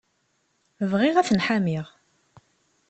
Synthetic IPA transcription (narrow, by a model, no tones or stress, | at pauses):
vʁɪʁæθənħamiʁ